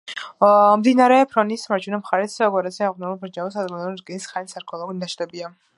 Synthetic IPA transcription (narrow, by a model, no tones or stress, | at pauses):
md̪inaɾɛpʰɾɔnismaɾd͡ʒʰʼunamχaɾɛt̪sɔɡɔɾat̪sʰiaʁnɛulbɾd͡ʒaɔsad̪ɡɛd̪ɾɡɛnisχanisaɾkʰɔlˠɔɡunid̪aʃd̪ɛbia